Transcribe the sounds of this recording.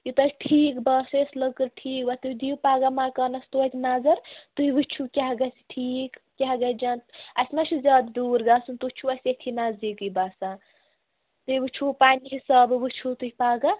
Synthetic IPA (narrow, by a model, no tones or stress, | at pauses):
jut̪ɐsʈʰiːkbasesləkəɾʈʰiːkbat̪uid̪iupaːɡamakɐnɐst̪oɐt̪ʲʰnazɐɾt̪uiʋɨt͡ʃʰukʲaɦɡɐsi̥ʈʰiːkkʲaɦɡɐd͡ʒant̪ɐsmat͡ʃʰuzʲaːd̪d̪uːɾɡaːsunt̪ut͡ʃʰuɐsʲet̪ʰinazikɨbasa | t̪ɨiʋɨt͡ʃʰupaːniɦisaːbʋɨt͡ʃʰut̪uɦipaːɡa